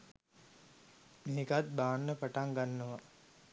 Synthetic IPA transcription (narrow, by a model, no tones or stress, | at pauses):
meɦekat̪̚baːnːəpaʈaŋɡanːəʋa